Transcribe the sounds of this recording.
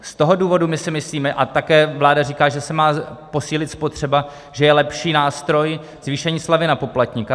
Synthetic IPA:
st̪o̞ɦo̞duːvo̞dumɪsɪmɪsliːmɛʔat̪akɛːvlaːdariːkaːʒɛsɛmaːpo̞siːlɪt̪spo̞t̪r̝̥ɛba | ʒ̥ɛjɛlɛpʃiːnaːst̪ɾo̞j | z̥viːʃɛɲiːslavɪnapo̞plat̪ɲika

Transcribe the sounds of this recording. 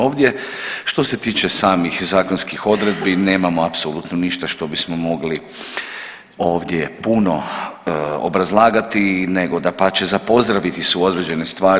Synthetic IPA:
oːʋd̪ʲje̞ | ʃt̪o̞se̞t̪iːt͡ʃe̞saːmixzaːkonskixo̞d̪ɾed̪bine̞ːmamoapsolut̪noniʃt̪aʃt̪o̞bismo̞mo̞ɡli | o̞ːʋd̪je̞puno̞ | o̰bɾazlˠaːɡat̪ine̞ɡo̞d̪apat͡ɕe̞zapo̞zd̪ɾaʋit̪iseuo̞d̪ɾe̞d͡ʒe̞ne̞st̪ʋaːɾ

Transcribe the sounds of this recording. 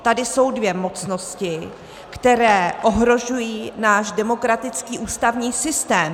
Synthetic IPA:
t̪adɪso̞wdvjɛmo̞t͡sno̞scɪ | kt̪ɛɾɛːʔo̞ɦɾo̞ʒujiːnaːʃdɛmo̞kɾat̪ɪt͡skiːʔuːst̪avɲiːsɪst̪ɛːm

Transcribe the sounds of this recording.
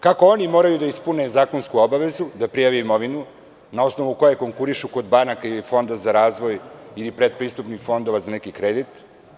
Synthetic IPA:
kakoonimo̞ːɾajud̪aispunezaːko̞nskuobaʋe̞zud̪apɾijaʋiimo̞ʋinu | nao̞sno̞ʋuko̞jeko̞ŋkuɾiʃuko̞d̪banakailifo̞nd̪azaɾaːzʋo̞jilipɾed̪̚pɾiːst̪upnixfo̞nd̪o̞ʋazanekikɾed̪it̪

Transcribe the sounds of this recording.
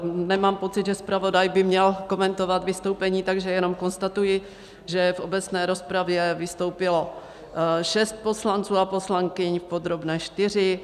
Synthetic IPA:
nɛmaːmpo̞t͡sɪd̪ʒɛspɾavo̞dajbɪmɲɛlko̞mɛnt̪o̞vat̪vɪst̪o̞wpɛɲiːt̪aɡʒɛjɛno̞mko̞nst̪at̪ujɪ | ʒɛfʔo̞bɛt͡snɛːɾo̞spɾavjɛvɪst̪o̞wpɪlo̞ | ʃɛst̪̚po̞slant͡suːaposlaŋkɪɲfpod̪ɾobnɛːʃt̪ɪr̝ɪ

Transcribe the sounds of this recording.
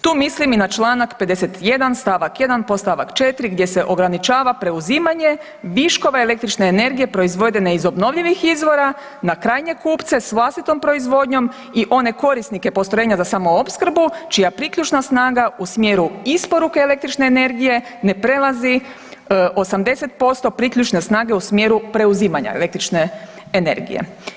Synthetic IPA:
t̪uːmisliminat͡ʃlˠaːnakpe̞d̪e̞set̪je̞d̪anst̪aʋakje̞d̪anpo̞st̪aʋa̰kt͡ʃe̞t̪ɾiɡd̪je̞se̞ʔo̞ɡɾanit͡ʃaːʋapɾe̞uziːmaɲe̞ | ʋiʃko̞ʋeele̞kt̪ɾit͡ʃne̞ːne̞ɾɡije̞pɾo̞izʋo̞d̪eneizo̞bno̞ʋʎiʋixizʋo̞ɾa | nakɾaːjɲe̞kuːpt̪se̞sʋlˠast̪it̪o̞mpɾo̞izʋo̞d̪ɲo̞m | iʔo̞ne̞ko̞ɾisnike̞po̞st̪oeːɲazasaːmoopskɾ̩but͡ʃijapɾikʎut͡ʃnasnaːɡausmje̞ːɾuispo̞ɾukeːlek̚t̪ɾit͡ʃne̞ːne̞ɾɡije̞ | ne̞pɾe̞lazi | o̞samd̪e̞se̞t̪̚po̞st̪o̞pɾikʎʲut͡ʃne̞snaːɡe̞usmje̞ɾupɾe̞uziːmaɲa̰ḛle̞kt̪ɾit͡ʃne̞ː | ne̞̰ɾɡḭjḛ

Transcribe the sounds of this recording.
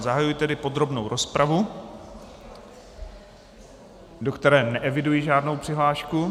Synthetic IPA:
zaɦajujit̪ɛdɪpo̞d̪ɾo̞bnowɾʔo̞spɾʔavu | do̞kt̪ɛɾɛːnɛʔɛvɪdujiʒaːdnowpr̝̥ɪɦlaːʃku

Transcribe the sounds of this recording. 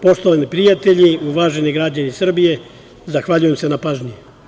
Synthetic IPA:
po̞ʃt̪oʋanipɾijat̪e̞ʎiuʋaːʒe̞niɡɾad͡ʑanisr̩bije̞ | zaxʋaʎuje̞mse̞napaːʒɲi

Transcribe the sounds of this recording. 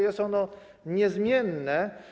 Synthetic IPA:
jɛst̪ɔnɔ | ɲɛzmʲjɛnːɛ

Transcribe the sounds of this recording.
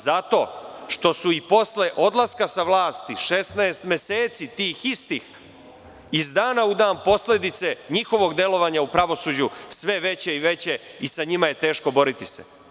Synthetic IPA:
zat̪o̞̰ːʃt̪o̞suipo̞sle̞ʔo̞d̪lˠaskasaʋlaːst̪iʃe̞snaest̪mʲe̞seːt̪sit̪iːxist̪iːx | izd̪aːnaud̪aːnpo̞sle̞d̪it̪se̞ɲixo̞ʋo̞ɡd̪e̞lo̞ʋaɲaupɾaʋo̞suːd͡ʑusʋe̞ʋe̞t͡ɕe̞iʋe̞t͡ɕe̞ | isaɲimaje̞t̪e̞ːʃko̞bo̞ɾit̪isḛ

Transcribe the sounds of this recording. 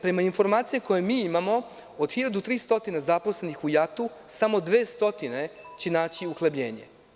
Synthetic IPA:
pɾe̞mainfo̞ɾmaːt̪sijeko̞jemiːimamo̞ | od̪xiʎad̪ut̪ɾiːst̪o̞t̪inezaposle̞nixujat̪u | samo̞d̪ʋe̞ːst̪o̞t̪ine̞t͡ɕenaːt͡ɕiuxlebʎe̞̰ːɲe̞̰

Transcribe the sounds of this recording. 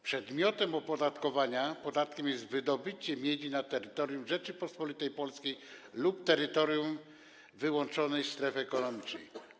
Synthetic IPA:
pʂɛd̪mʲjɔt̪ɛmɔpɔd̪at̪kɔvaɲapɔd̪at̪̚kʲɛmjɛst̪vɘd̪ɔbɘt͡ɕɛmʲjeʎʲinat̪ɛɾɘt̪ɔɾʲjumʐɛt͡ʂɘpɔspɔlʲit̪ɛjpɔlskʲejlup̚t̪ɛɾɘt̪ɔɾjum | vɘwɔnt͡ʂɔnɛjst̪ɾɛfɛkɔnɔmʲit͡ʂnɛ̰j

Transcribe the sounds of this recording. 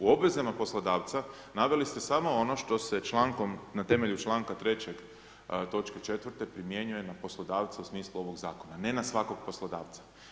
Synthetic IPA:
uo̞bʋe̞zamapo̞slˠod̪aːʋt̪sa | naʋe̞list̪esamo̞ono̞ʃt̪o̞se̞t͡ʃlˠaːŋko̞mnat̪e̞me̞ʎut͡ʃlˠaːŋkat̪ɾe̞t͡ɕeɡ | t̪o̞t͡ʃket͡ʃe̞t̪ʋəɾt̪e̞pɾimje̞ɲuje̞napo̞slˠo̞d̪aːʋt̪sausmiːslˠuo̞ʋo̞ɡzaːko̞nane̞nasʋako̞ɡ̚po̞slod̪aːʋt̪sḁ

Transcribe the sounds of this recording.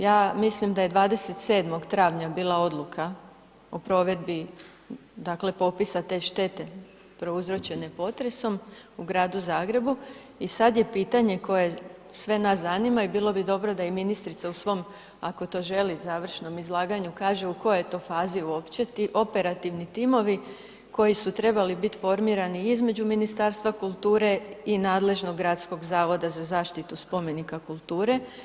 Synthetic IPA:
jaːmislimd̪aje̞d̪ʋaːd̪e̞se̞t̪sed̪mo̞ɡt̪ɾaːʋɲabiːlˠao̞d̪lˠukʰa | opɾo̞ːʋe̞d̪bi | d̪akle̞po̞pisat̪e̞ʃt̪e̞t̪e̞ | pɾo̞uzɾo̞t͡ɕe̞ne̞po̞t̪ɾe̞so̞muɡɾaːd̪uzaːɡɾe̞bu | isad̪je̞piːt̪aɲe̞ko̞je̞sʋe̞naszanimaibiːlˠo̞bid̪o̞bɾo̞d̪aiminist̪ɾit̪sausʋo̞m | ako̞t̪o̞ʒe̞lizaːʋr̩ʃno̞mizlˠaːɡaɲukaːʒe̞uko̞joejt̪o̞faːziuo̞pt͡ɕe̞t̪iʔo̞pe̞ɾat̪iʋnit̪imo̞ʋi | ko̞jisut̪ɾe̞balibit̪fo̞ɾmiːɾaniizme̞d͡ʑuminist̪aːɾst̪ʋakulˠt̪uːɾe̞inaːd̪le̞ʒno̞ɡːɾat̪sko̞ɡzaːʋo̞d̪azazaːʃt̪it̪uspo̞me̞nikakulˠt̪uːɾe̞

